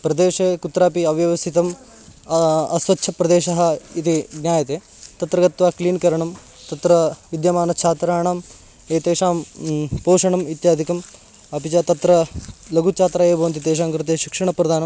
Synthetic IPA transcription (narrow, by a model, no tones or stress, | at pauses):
pɾɐd̪eːʃeːkut̪ɾaːpiɐʋjɐʋɐst̪ʰit̪ɐm | ɐsʋɐtːʃʰɐpɾɐd̪eːʃɐɦɐ̆it̪iɡnʲjaːjɐt̪eː | t̪ɐt̪ɾɐɡɐt̪ʋaːkliːnkɐɾɐɳɐm | t̪ɐt̪ɾɐʋid̪jɐmaːnɐt͡ʃʰaːt̪ɾaːɳaːm | eːt̪eːʂaːmpoːʂɐɳɐmit̪jaːd̪ʱikɐm | ɐpit͡ʃat̪ɐt̪ɾɐlɐɡʱut͡ʃʰaːt̪ɾaːjeːbʱɐʋɐnt̪̬it̪eːʃ̬aːŋkɾɪt̪eːʃikʂɐɳɐpɾɐd̪ʱaːnɐm